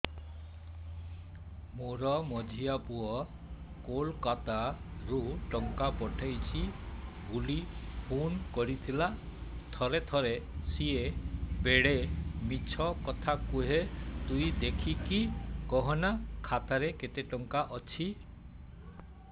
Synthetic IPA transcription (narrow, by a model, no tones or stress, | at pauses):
moɾɔmɔd͡ʒʱiapuɔ | kolkat̪aɾuʈɔŋkapɔʈʰajt͡ʃʰi | ɡulipʰunkɔɾit̪ʰila | t̪ʰɔɾet̪ʰɔɾesiebeɽemit͡ʃʰɔkɔt̪ʰakuɦet̪ujd̪ekʰikʰikɔɦɔnakʰat̪aɾeket̪eʈɔŋkaʔɔt͡ʃʰi